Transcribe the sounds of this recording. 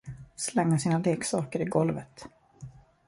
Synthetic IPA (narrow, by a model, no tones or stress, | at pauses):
slɛŋːasiːnaleːksɑːkəɾɪɡɔlvət̪